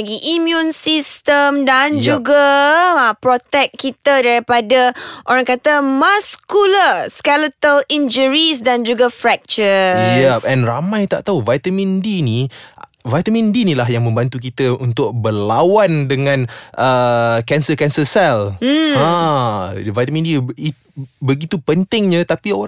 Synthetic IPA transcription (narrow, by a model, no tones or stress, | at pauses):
ɡiʔimjũnsist̪əmdand͡ʒuɡa | pɾot̪ɛk̚kit̪adaɾipadaʔoɾaŋkat̪əmaskuləskɛlət̪əlind͡ʒəɹisdand͡ʒuɡafɾɛk̚t͡ʃəjaʔɛnramãjt̪aʔt̪auvajt̪amĩndini | vajt̪amĩndinilaɦjaŋmə̃mbant̪uk̬it̪əunt̪ʊk̚bərlawandəŋãnʔəkɛnsəkɛnsəsɛl̩a | vajt̪amĩndii | bəɡit̪upənt̪ɪŋɲãt̪apio